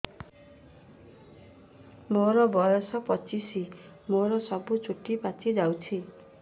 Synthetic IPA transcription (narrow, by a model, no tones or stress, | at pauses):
moɾɔbɔjɔsɔpɔt͡ʃisi | moɾɔsɔbut͡ʃʰuʈːipat͡ʃʰid͡ʒawt͡ʃʰi